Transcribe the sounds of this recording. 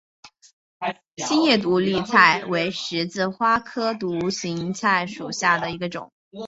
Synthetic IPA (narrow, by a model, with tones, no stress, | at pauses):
ɕi˥njɛ˥˩t̪̬u˧˥li˥˧t͡sʰa˥˩ɪwe˧˥ɪʂɻ̩˧˥t͡sɹ̩˥˧xwa˥kʰɤ˥t̪u˧˥ɕi˧˥ŋt͡sʰa˥˩ɪʂu˨˩ɕja˥˩d̪ə˩i˧˥ɡə˧ʈ͡ʂʊ̰˨˩˦ŋ